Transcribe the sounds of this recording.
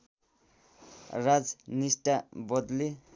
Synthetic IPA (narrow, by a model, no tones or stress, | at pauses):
rad͡znisʈabʌd̪li